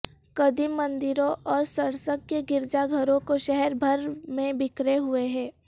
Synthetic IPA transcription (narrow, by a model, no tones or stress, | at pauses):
kɐd̪imːə̃nd̪ɪɾõʔɔːɾsəɽsəkːeɡɪɾd͡ʒaɡʱəɾõkoʃɛɦɛɾbʱɐɾmẽbɪkɾeɦʊeɦɛ̃ː